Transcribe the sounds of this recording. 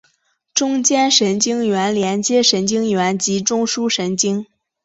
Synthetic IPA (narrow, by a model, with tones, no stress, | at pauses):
ʈ͡ʂʊ˥ŋt͡ɕjɛ˥nʂə˧˥nt͡ɕi˥ŋɥɛ˧˥nljɛ˧˥nt͡ɕjɛ˥ʂə˧˥nt͡ɕi˥ŋɥɛ˧˥nt͡ɕi˧˥ʈ͡ʂʊ˥ŋʂu˥ʂə˧˥nt͡ɕi˥ŋ